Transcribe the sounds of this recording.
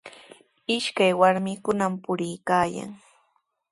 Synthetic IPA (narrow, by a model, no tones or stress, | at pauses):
ɪʃkajwaɾmɪkʊnampʊɾɪjkaːja̰ŋ